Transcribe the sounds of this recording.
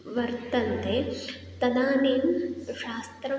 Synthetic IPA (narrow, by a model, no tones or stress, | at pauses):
ʋɐɾt̪ɐnt̪e | t̪ɐd̪aːneːmʃaːst̪ɾɐ